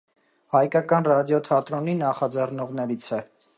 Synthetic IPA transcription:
hɑjkɑkɑnrɑd̪jɔt̪ʰɑt̪ɾɔninɑχɑd͡zɛrnɔʁnɛɾit͡sʰɛ

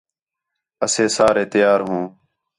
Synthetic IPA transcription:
əseːsaːɾeːt̪ɪjaːɾɦũː

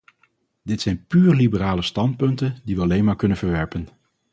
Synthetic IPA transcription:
dɪtsɛjnpyːrlibəraːləstɑnt̚pɵntəndiʋəɑlejnmaːɹkɵnənv̥əɹʋɛɹpən

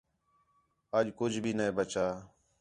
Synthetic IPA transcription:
əd͡ʒkʊd͡ʒʱbʱiːnẽːbət͡ʃaː

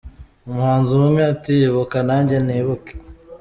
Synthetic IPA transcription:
umuhaːnzunumɲaːtiβukanaːɲɟaniβuke̥

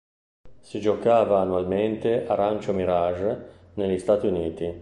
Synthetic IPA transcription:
sid͡ʒokaːvaːnualment̪eʔaɾant͡ʃomiɾaʒ | nelːist̪aːt̪iuniːt̪i

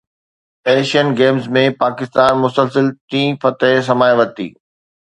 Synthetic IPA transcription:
eːʃənɡeːmzmẽpaːkɪst̪aːnmʊsəlsəlt̪ĩːfɐt̪s̬ɐmaːjʋɐt̪ḭː

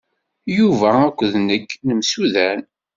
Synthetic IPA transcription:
juvæækʷːðnəkːnəmsuðæn

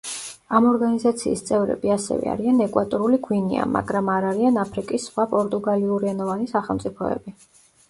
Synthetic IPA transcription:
amɔɾɡanizat̪sʰḭːst̪sʼɛvɾɛ̰biasɛ̰vɛ̰a̰ɾianɛkʼwat̪ʼɔɾuliɡʰwinḭa̰ma̰ɡɾamaɾaɾianapʰɾikʼisχwapʼɔɾt̪ʼuɡaliuɾiɛnɔvanisaχɛlˠmt̪ʼipʰɔɛ̰bi

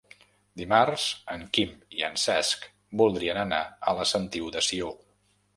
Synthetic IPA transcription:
d̪imarsəŋkimiə̰nsɛsk | bulˠd̪ɾiənənaələsənt̪iud̪əsio

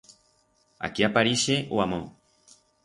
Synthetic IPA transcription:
a̰kiapaɾiʃeʔoamõ

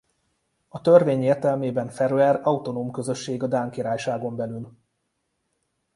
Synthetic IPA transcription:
ɒt̪ø̞rveːɲeːrt̪ɛlmeːbɛɱfɛɾuɛrɒut̪o̞nomkø̞zø̞ʃːeːɡɒd̪aːŋkiɾaːjʃaːɡo̞mbɛlyl

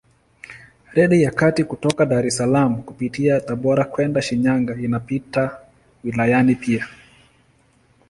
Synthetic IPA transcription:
ɾɛɗijakatikutɔkaɗaɾɛsalamukupitiataɓɔɾakwɛndaʃiɲaŋɡainapita | wilajanipʰia

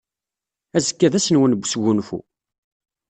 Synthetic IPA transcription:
æzəkːæðæsənwənbʷːsɡunfṵ

